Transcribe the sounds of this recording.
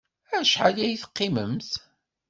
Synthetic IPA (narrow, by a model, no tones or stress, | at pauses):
æʃħalæjθə̥qːiməmθ